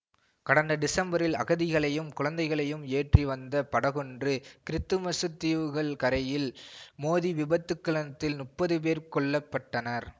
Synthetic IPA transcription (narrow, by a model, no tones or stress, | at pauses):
kɐɽɐnd̪ɐɖɪsɐmbɐɾɪlɐ̰ɣɐðɪɣɐɭɐjɯmkʊɻɐnd̪ɐɪɣɐɭɐjɯmeːʈriʋɐnd̪ɐpɐɽɐɣɔndrɯkɪɾɪt̪ːɯmɐsɯt̪ːiːʋɯɣɐɭkɐɾɐjɪlmoːðiʋɪbɐt̪ːɯkːɐɭɐnɐt̪ːɪlnʊʈpːɐðɯpeːɾkɔɭːɐpːɐʈːɐnɐɾ